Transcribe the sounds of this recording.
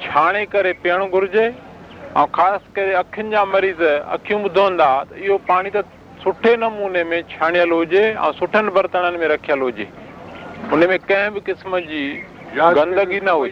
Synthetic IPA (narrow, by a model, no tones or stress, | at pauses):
t͡ɕʰaːɽ̃ekɐɾepijəɽ̃ɡʱʊɾɪd͡ʑe | ɛ̰̃ũːxaːsɪ̥kɐɾeɐkʰjʊnɪ̆d͡ʑaːmɐɾiːzɐ̰kʰijũbʊd̪ʱoɦə̃n̆d̪at̪ɐɪɦopaːɽ̃it̪ɐ | sʊʈʰenɐmuːnemẽt͡ɕʰaːɽ̃ijəlɦʊd͡ʑeɛ̰̃ːsʊʈʰənɪ̆bɐɾt̪əɽ̃ənɪ̆mẽɾɐkʰijəlɦʊd͡ʑḛː | ʊnəmẽkɐ̃ɦɪ̃bɪkɪsməd͡ʑiː | ɡɐ̃nd̪əɡinɐɦʊi